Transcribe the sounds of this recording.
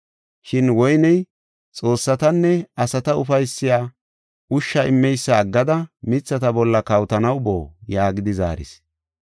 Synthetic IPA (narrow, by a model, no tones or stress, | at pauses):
ʃɪnwɔjnɛj | t͡sʼo̞ːsːɐt̪ɐnːɛɐsɐt̪ɐʊfɐjsːɪjaː | ʊʃːɐɪmːɛjsːaːɡːɐd̪ɐmɪt͡sːɐt̪ɐbɔlːɐkɐwt̪ɐnɐwbo̰ːjaːɡɪd̪ɪza̰ːɾɪ̰s